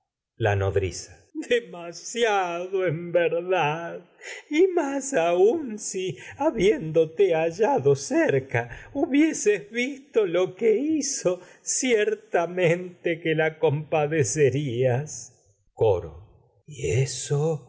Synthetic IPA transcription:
la̰noðɾḭsḁ | d̪emasjaðoembeɾðað | imasaunsiaβjend̪ot̪eaʒaðoseɾkauβjesezβist̪olokeiso | sjeɾt̪amẽnt̪ekelako̞mpaðeseɾias | koɾo̰ | ieso

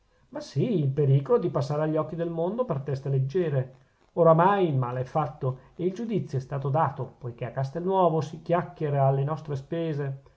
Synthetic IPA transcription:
masiilpeɾiːkolod̪ipasːaːɾeaʎːɔkːid̪elmond̪opert̪ɛst̪eled͡ʒːɛːɾe | oɾamajilma̰ːleɛfːat̪ːoeild͡ʒud̪it̪sːjoɛst̪aːt̪od̪aːt̪opojkeakːast̪elnwɔːvosik̟jakːeɾaːlːenɔst̪ɾespeːze

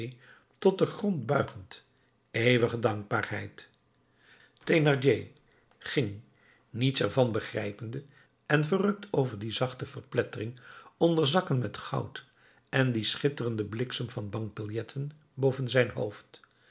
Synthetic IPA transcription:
tɔt̚dəχrɔnd̚bœɥχənt | ejʋəχədɑŋɡ̚baːɹhɛ̰jt | tenɑɹd͡ʒeː | χɪŋ | nitsɛɹvɑnbəχrɛ̰jpəndə | ɛnvərɵk̚tʰowvəɹdizɑχtəvəɹplɛtərɪŋɔndəɹzɑkənmɛtχɑ̰wt | ʔɛndisχɪtərəndəblɪksəmvɑnbɑŋk̚bɪlˠjɛtʰən | bowvənzɛjnɦo̰wft

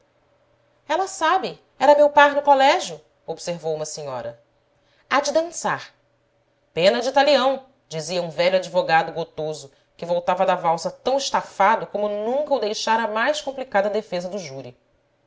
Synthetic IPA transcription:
ɛlɐsabɪ | ɛɾɐmewpaɾnʊkolɛʒjʊ | obseɾvowũmɐsiɲɔ̰ɾɐ̰ | ad͡ʒɪd̪ɐ̃saɾ | pẽnɐd͡ʒit̪aliɐ̃w̃ | d͡ʒiziɐũvɛʎʊad͡ʒivoɡad̪ʊɡot̪ozʊ | kɪvowt̪avɐd̪avawsɐt̪ɐ̃w̃ɪʃt̪afad̪ʊkõmʊnũŋkɐud̪ejʃaɾɐmajskõmplikad̪ɐd̪efezɐd̪ʊʒuɾi

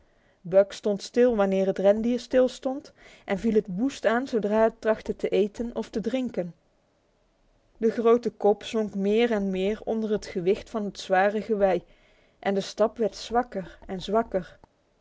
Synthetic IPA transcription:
bœkstɔntstɪlˠʋanɪːɹɦətrɛndiəstɪlˠstɔntʔɛnvilˠɦətʋustaːnzowdraːɦət̚trɑχtətəʔejtənɔftədrɪŋkən | dəχrowtəkɔpz̥ɔŋkmɪːɹɛnmɪːɹɔ̰ndərɦətχəʋɪxtfɑnɦətsʋaːrəχəʋɛj | ʔɛndəstɑpʋɛɹtsʋɑkəɹɛnzʋɑkəɹ

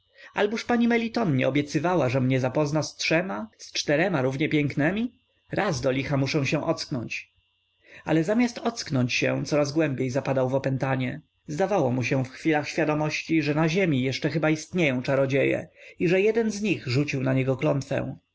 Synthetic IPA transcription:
a̰lbuʂpaɲimɛlʲit̪ɔnɲɛ̰ɔbʲjɛt̪sɘvawaʐɛmɲɛzapɔznastʂɛmast͡ʂt̪ɛɾɛmaɾuvɲɛpʲjɛŋknɛmʲi | ɾazd̪ɔlʲixamuʂɛ̃w̃ɕɛ̃ʔɔt̪sknɔɲt͡ɕ | a̰lɛzamʲjast̪ɔt̪sknɔɲt͡ɕɕɛ̰̃t̪sɔɾazɡwɛmbʲjejzapad̪awvɔpɛnt̪aɲɛ | zd̪avawɔmuɕɛfxfʲilaxɕfʲjad̪ɔmɔɕt͡ɕiʐɛnaʑemʲijɛʂt͡ʂɛxɘbaist̪ɲejɔ̃w̃t͡ʂaɾɔd͡ʑejɛ̰iʐɛjɛd̪ɛnzɲiɣʐut͡ɕiwnaɲɛɡɔklɔnt̪fɛ̰̃w̃

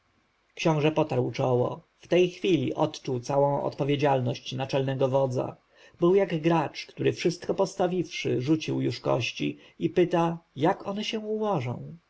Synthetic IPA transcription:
kɕɔ̃w̃ʐɛpɔt̪aɾwt͡ʂɔwɔ̰ | ft̪ɛjxfʲilʲiʔɔt̪t͡ʂuwt̪sawɔ̃w̃ɔ̰t̪pɔvʲjed͡ʑalnɔɕt͡ɕnat͡ʂɛlnɛɡɔvɔd̪za̰ | bɘwjaɡɡɾat͡ʂkt̪uɾɘfʂɘst̪kɔpɔst̪avʲifʂɘ̰ʐut͡ɕiwjuʂkɔ̰ɕt͡ɕḭ | ipɘt̪ajakɔnɛɕɛuwɔʐɔ̰̃w̃

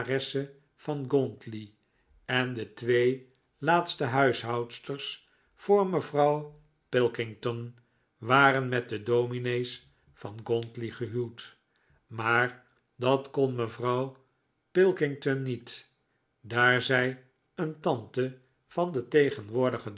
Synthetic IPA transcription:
rɛsə | fɑnɡɔntli | ɛndətʋej | laːtstəɦœɥsɦɑwtstərs | fʊːɹməvrɑw | pɪlˠkɪŋtɔn | ʋaːɾənmɛt̚dədowminejs | fɑnɡɔntliχəɦywt | maːɹ | dɑtkonməvrɑw | pɪlˠkɪŋtɔnːit | daːɹzɛj | əntɑntə | fɑndətejχənʋʊːɹdəχəd

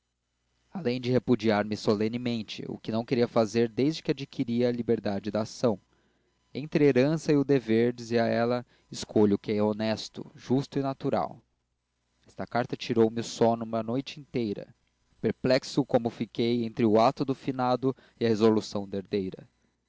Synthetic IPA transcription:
alẽj̃d͡ʒɪhepud͡ʒiaɾmɪsolẽnɪmẽnt͡ʃɪ̰ʊ̰kɪnɐ̃w̃keɾiɐfazeɾd̪ejzd͡ʒɪkɪad͡ʒikʰiɾiɐːlibeɾd̪ad͡ʒɪd̪ɐːsɐ̃w̃ | ẽnt̪ɾɪeɾɐ̃sɐɪʊd̪eveɾd͡ʒiziɐɛlɐ | ɪskʰoʎʊʊkɪɛonɛst̪ʊ̰ʒust̪ʊɪnat̪uɾa̰w | ɛst̪ɐkaɾt̪ɐt͡ʃiɾowmɪʊsɔnũmɐnojt͡ʃɪĩnt̪ejɾɐ̰ | peɾplɛksʊkõmʊfikejẽnt̪ɾɪʊat̪ʊd̪ʊfinad̪ʊ | ɪɐhezolusɐ̃w̃d̪ɐeɾd̪ejɾɐ̰

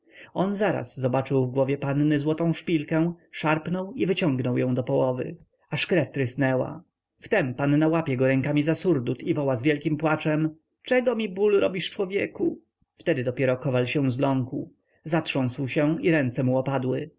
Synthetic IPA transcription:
ɔnzaɾa̰sːɔbat͡ʂɘwvɡwɔvʲjɛpanːɘzwɔt̪ɔ̃w̃ʂpʲilkɛ̃w̃ʂaɾpnɔwivɘt͡ɕɔ̃ŋɡnɔwjɔ̃w̃d̪ɔpɔwɔvɘ̰ | aʂkɾɛft̪ɾɘsnɛwa̰ | ft̪ɛmpanːawapʲjɛɡɔɾɛŋkamʲizasuɾd̪ut̪ivɔwazvʲjɛlkʲimpwat͡ʂɛm | t͡ʂɛɡɔmʲibulɾɔbʲiʂt͡ʂwɔvʲjɛku | ft̪ɛd̪ɘd̪ɔpʲjɛɾɔkɔvalɕɛ̃zlɔŋku | zatʂɔ̃w̃swɕɛiɾɛnt̪sɛmuɔpad̪wɘ

